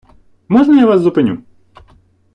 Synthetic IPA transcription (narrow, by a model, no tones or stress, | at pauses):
mɔʐnɐjavaszʊpɪnʲṵ